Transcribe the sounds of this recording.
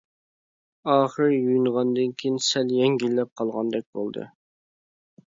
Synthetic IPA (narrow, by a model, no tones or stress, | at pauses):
ɑːχəɾjujyɴʁɑnd̪ɨŋkʲʰijinsɛljɛŋɡʲilːɛp̚qʰɑlˠʁɑnd̪ɛk̚ʲbolˠd̪ɨ̰